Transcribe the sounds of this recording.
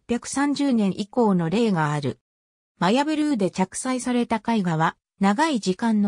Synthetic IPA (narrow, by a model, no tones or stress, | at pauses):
pʲjakɯ̟̥sãɲ̟d͡ʑɨːnẽ̞ɰ̃ʔiko̞ːno̞ɾe̞ːɡaːɾɯ̟̰ | majabɯ̟ɾɯ̟ːd̪e̞t͡ɕakɯ̟̥saisaɾe̞t̪akaiɡaβa | naɡaid͡ʑikãnːo